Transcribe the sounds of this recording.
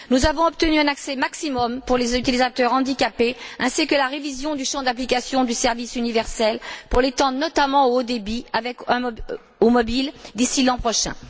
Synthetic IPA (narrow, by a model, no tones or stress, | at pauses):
nuzavɔ̃ɔp̚t̪ənyɛ̃naksɛmaksimɔmpuʁlezyt̪ilizat̪œʁɑ̃d̪ikʲapeɛ̃sikəlaʁevizjɔ̃d̪yʃɑ̃d̪aplikʲasjɔ̃d̪ysɛʁvisynivɛʁsɛlpuʁlet̪ɑ̃d̪ʁnɔt̪amɑ̃ood̪ebiavɛk | omɔbild̪isilɑ̃pχɔʃɛ̰̃